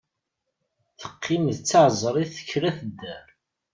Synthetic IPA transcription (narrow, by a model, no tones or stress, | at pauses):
θə̥qʰːɪmðt͡sːɑʕzˤɾˤiθə̥çːɾæθəd̪ːæɾ